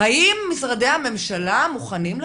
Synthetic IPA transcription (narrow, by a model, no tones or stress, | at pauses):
aʔimːisʁad̪e̞jhame̞mʃalamuχaniml